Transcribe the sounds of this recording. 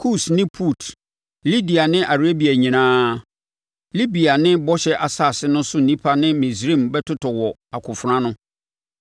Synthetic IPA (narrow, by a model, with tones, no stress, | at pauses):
kʰu˦˨snɪ̃˦pʰu˦˨tʰ | li˦di˨a˨nɪ̃˦ʔa˨ɾe˦bi˨a˨ɲĩ˨nãː˦ | li˦bi˨a˨nɪ̃˦bɔ˦ɕɛ˦ʔa˨sa˦˨sɪ˦nʊ̃˦sʊ˦n̩˨nĩ˦pʰa˦nɪ̃˦mĩ˨sɾĩ˦˨mbɛ˦tʰʊ˦tʰɔ˨wɔ˨a˨kʰʊ˨fɾã˦nʊ̃˦